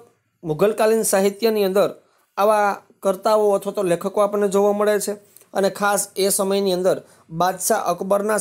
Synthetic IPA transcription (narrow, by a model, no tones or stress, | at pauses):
muɡəlkalinsaɦit̪jəniənd̪əɾ | aʋa | kəɾt̪aoət̪ʰʋat̪olekʰəkoapəɳːed͡ʒoʋaməɭet͡ʃʰe | ənekʰasesəməjniə̃nd̪əɾ | bad̪ʃaʔəkbəɾna